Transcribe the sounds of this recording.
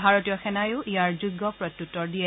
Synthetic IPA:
bʱaɹotijɔxɛnajʊʔijaɹzuɡːɔpɹɔtːutːɔɹdiɛ

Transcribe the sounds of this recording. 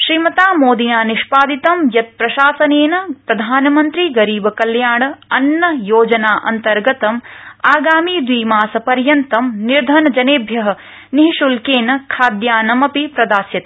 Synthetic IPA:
ʃɾiːmɐt̪aːmoːd̪inaːniʃpaːd̪it̪ɐmjɐt̪̚pɾɐʃaːsɐneːnɐpɾɐd̪ʱaːnɐmɐnt̪ɾiɡɐɾiːbɐkɐljaːɳɐnːɐjoːd͡ʒɐnaːʔɐ̰nt̪ɐɾɡɐt̪ɐmaːɡaːmiːd̪ʋiːmaːsɐpɐɾjɐnt̪ɐmniɾd̪ʱɐnɐd͡ʒɐneːbʱjɐɦɐ̆ | niɦiʃulkeːnɐkʰaːd̪jaːnɐmɐpipɾɐd̪aːsjɐt̪i̥

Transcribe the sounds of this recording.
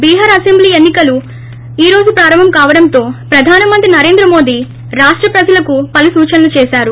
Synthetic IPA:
biːɦɐɾɐsembliːenːikɐlu | iːɾo̞ːd͡ʒupɾaːɾɐmɐmkaːʋɐɽɐnt̪o̞ːpɾɐd̪ʱaːnɐmɐnt̪ɾinɐɾe̞ːnd̪ɾɐmo̞ːd̪i | ɾaːʂʈɾɐpɾɐd͡ʒɐlɐkupɐlusuːt͡ʃɐnɐlut͡ʃɛːʃaːɾu

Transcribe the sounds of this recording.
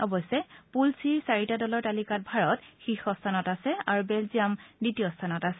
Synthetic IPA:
ɔbɔsɛpulsiɹsaɹitadɔlɔɹtalikat̚bʱaɹɔtxixɔstʰanɔtasɛaɹubɛlziamditijɔstʰanɔtasɛ

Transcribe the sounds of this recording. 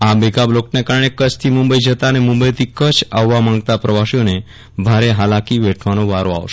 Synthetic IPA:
abeɡabloknekaɾəɳekət͡ʃʰt̪ʰimʊ̃mbəid͡ʒət̪anemʊ̃mbəjt̪ʰikət͡ʃʰaʋːamãŋɡt̪apɾəʋaʃione | bʱaɾeɦalakiʋɛʈʰʋanõʋaɾoa̰ʋʃe̥

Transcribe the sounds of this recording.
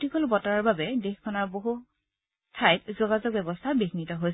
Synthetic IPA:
tikolbɔtaɹaɹbabɛdexkʰɔnaɹboɦu | tʰajt̚zoɡazɔk̚bɛbɔstʰabexinitɔɦojs

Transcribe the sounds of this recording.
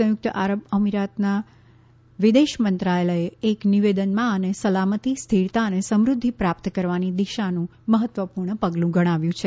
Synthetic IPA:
ə̃jʊk̚t̪əʔaɾəbəmiɾat̪na | ʋid̪eʃmənt̪ɾaeləeekniʋed̪ənmãənesəlamət̪ist̪ʰiɾt̪aənesəmɾʊd̪ʱːipɾapt̪kəɾʋanid̪iʃanũ | məɦət̪ʋəpuɾɳəpəɡlũɡəɽ̃aʋjũt͡ʃʰe

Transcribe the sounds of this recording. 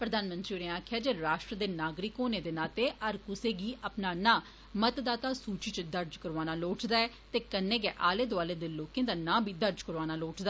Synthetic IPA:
pɾəd̪aːnmə̃nt̪ɾiːʊɾeːaːkʰjaːd͡ʒeːɾaːʃʈɾəd̪eːnaːɡɾɪkoːneːd̪eːnaːt̪eːʔəɾkʊseːɡiːʔəpnaːnãː | mət̪d̪aːt̪aːsuːt͡ʃiːt͡ʃd̪əɾd͡ʒkəɾʋaːnaːloːʈd̪aːɛː | t̪eːkənːẽːɡɛːʔaːleːd̪ʊaːleːd̪eːloːkẽːd̪aːnãːbiːd̪əɾd͡ʒkəɾʋaːnaːloːʈd̪aː

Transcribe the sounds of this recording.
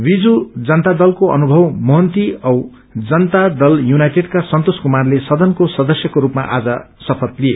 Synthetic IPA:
bid͡zud͡zʌnt̪ad̪ʌlkoʌ̰nubʱʌwmʌɦʌnt̪iʌw | d͡zʌnt̪ad̪ʌljunajʈeɖkasʌnt̪oskumarlesʌd̪ʌnkosʌd̪ʌsjʌkoɾupma̰ʔa̰d͡zʌsʌpʰʌt̪lie

